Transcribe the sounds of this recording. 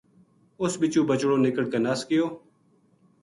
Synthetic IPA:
ʊsbɪt͡ʃũːbət͡ʃɽoːnɪkəɽkeːnaːskɪjoː

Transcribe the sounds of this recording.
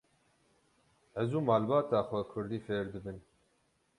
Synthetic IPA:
ɛzuːmaːlbaːt̪aːxʷɛkʰʊɾd̪iːfeːɾd̪ɨbɨn

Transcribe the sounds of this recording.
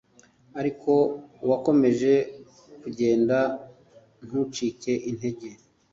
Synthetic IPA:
aɾikʰo̞wako̞me̞ʒe̞ | kuɟe̞ːnda | n̥hut͡ʃike̞ʔin̥he̞ɟe

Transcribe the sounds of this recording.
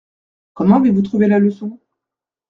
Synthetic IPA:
kɔmɑ̃avevut̪χuvelaləsɔ̃

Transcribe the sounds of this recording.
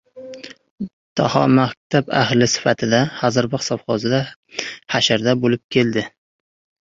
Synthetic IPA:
t̪ʰɒhɒmahk̚ʲt̪ʰaba̰hlɪsɪ̥fat̪ʰɪd̪ahɒzɪɾbɪqsɒbχɒzɪd̪a | haʃaɾd̪abolɪp̚kʲʰe̞ld̪ɪ

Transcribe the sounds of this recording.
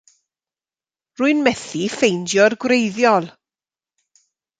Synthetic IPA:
rʊɨnmɛθifejndjɔrɡwrejðjɔlˠ

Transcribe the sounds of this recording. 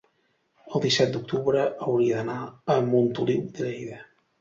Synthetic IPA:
əlˠd̪isɛt̪̚d̪uk̚t̪uβɾəʔəwɾiəd̪ənaəmunt̪uliwd̪əʎɛjðə

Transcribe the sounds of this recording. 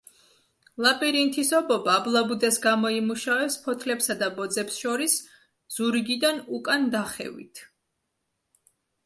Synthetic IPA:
lˠapʼiɾint̪ʰisɔbɔbaːblˠabud̪ɛsɡamɔimuʃavɛpspʰɔt̪ʰlɛpsad̪abɔd̪zɛpsʃɔɾis | z̥uɾiɡid̪anukʼand̪aχɛ̰vḭt̪ʰ

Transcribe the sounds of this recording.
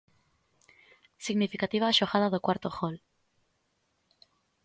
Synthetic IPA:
siɣnifikat̪iβaːʃoɣað̞aðokwaɾt̪oxol

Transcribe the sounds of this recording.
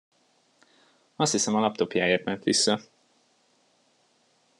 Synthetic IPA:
ɒst̪hisɛmɒlɒp̚t̪o̞pjaːeːrt̪mɛnt̪ʋisːɒ

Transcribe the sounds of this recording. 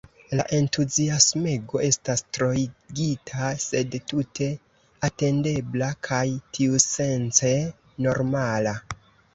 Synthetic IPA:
laʔe̞ntuziasmeɡo̞e̞stastɾo̞iɡitʰase̞dtutʰe̞ | ate̞nde̞blakʰajtʰiuse̞nt͡se | no̞ɾmala

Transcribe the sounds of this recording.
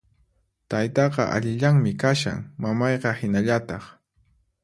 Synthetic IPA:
t̪ajt̪ɑqɑ̰ʔa̰ʎɪʎaŋmɪkaʃa̰ŋmamɑjqɑhɪnaʎat̪ɑχ

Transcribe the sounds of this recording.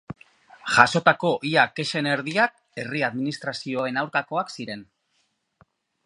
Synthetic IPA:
ʝaso̞t̪ako̞ʔiake̞ʃe̞ne̞ɾðiak̚ | e̞riaðminist̪ɾasioe̞nawɾkako̞aksiɾe̞n

